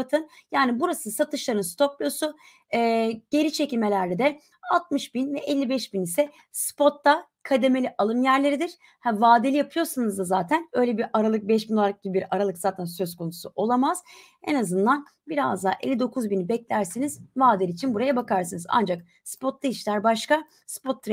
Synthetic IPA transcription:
at̪ʰɯnjaːnibuɾasɯsat̪ʰɯʃlˠaɾɯnst̪ʰo̞klʲo̞su | ɛːɟ̥e̞ɾit͡ʃʰecilʲmelʲæɾd̪ʲɛd̪ɛ | alˠt̪̚mɯʃbinvɛʔɛlʲːibɛʃbinisɛ | spo̞t̪ːa | kʰad̪e̞me̞lʲiʔalˠɯnjæɾlʲe̞ɾid̪iɾ̥ | havaːd̪elʲijapʰɯjo̞ɾsanɯzd̪azaːt̪ʰænø̞jlʲebiɾaɾalˠɯk̚bɛʃbino̞lˠaɾak̚ɟibibiɾaɾalˠɯkzaːt̪ʰænsø̞zkʰo̞nusuo̞lˠamaz̥ | enazɯnd̪an | biɾa̰zd̪aːʔḛlʲːid̪o̞kʰuzbinibɛclʲæɾsenizvaːd̪elʲit͡ʃʰinbuɾajabakʰaɾsɯnɯza̰nd͡ʒak | spʰo̞t̪lˠaiʃlʲæɾbaʃka | spʰo̞t̪ʰːɾ

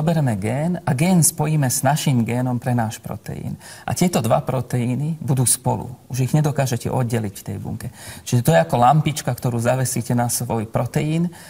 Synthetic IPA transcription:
ɔbɛɾɛmɛɡɛːnaɡɛːnspɔjiːmɛznaʃimɡɛːnɔmpɾɛnaːʃpɾɔ̰t̪ɛ̰jḭːnʔa̰t̪ɪɛt̪ɔd̪ʋa̰pɾɔt̪ɛiːnibud̪uːspɔ̰lṵuʒiɣɲɛd̪ɔkaːʒɛcɛ̰ʔɔ̰d̪̚ɟɛlicft̪ɛ̰jbṵŋkɛt͡ʃiʒɛt̪ɔjɛakɔlampit͡ʃkakt̪ɔɾuːzaʋɛsiːcɛnasʋɔjpɾɔt̪ɛiːn

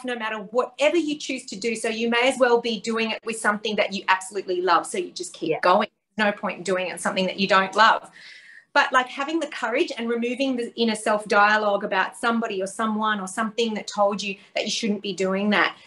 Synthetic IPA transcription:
fnoʊmæɾə˞wʌɾɛvə˞jɨt͡ʃʰʉz̥tʰɨdɨsoʊjɨmeɪɨzwɛlˠbidʉɪ̃ŋɪʔ̚wɨð̥sʌ̃mθɪ̃ŋðɨt͡ʃɨʔæb̥səlʉtˡlilʌv̥soʊjɨd͡ʒʌskʰiɡ̥oʊɪ̃ŋðə˞znoʊpʰɔ̃ɪ̃ntʌdʉɪ̃ŋɨ̰̃nsʌ̃mθɪ̃ŋðɨ̰t͡ʃɨdõʊ̃nʔlʌv̥b̥ʌʔlaɪkhævɪ̃ŋðɨkʰʌɹɪd͡ʒɨ̃nɹɨmʉvɪ̃ŋðɨʔɪ̃ñɨsɛlˠfd̥aɪəlɔɡɨbaʊtsʌ̃mbɑɾiə˞sʌ̃mwʌ̃nə˞sʌ̃mθɪ̃ŋðɨtʰoʊlˠd͡ʒɨðɨt͡ʃɨʃʊdⁿn̩b̥idʉɪ̃ŋðɨ̰t̚

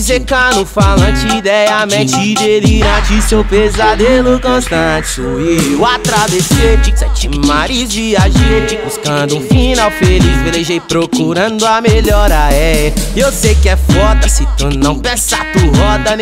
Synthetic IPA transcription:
zekɐnʊfalɐ̃t͡ʃɪd̪ɛjɐmɛ̃t͡ʃid̪eliɾad͡ʒisewpezad̪elʊkõst̪ɐ̃t͡ʃiiʊat̪ɾaveseɾd͡ʒisɛt͡ʃɪmaɾizviaʒet͡ʃɪbuskɐ̃d̪ʊũfinawfelizbeleʒejpɾokuɾɐ̃d̪ʊameʎɔɾɐɛewsejkɪɛfɔd̪ɐsɪt̪ũnɐ̃w̃pẽsat̪uhɔd̪ɐ

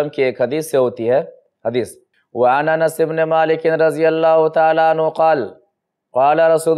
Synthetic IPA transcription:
ɐmkieːkhɐd̪iːsːeɦoːt̪iɦɛː | hɐd̪iːs | wɐananɐsɪbnemaːlɪkɪnɾɐd̪ɪjɐlːaːɦʊt̪aʕaːlaanɦʊqɑːl | qɑːlaɾɐsuː

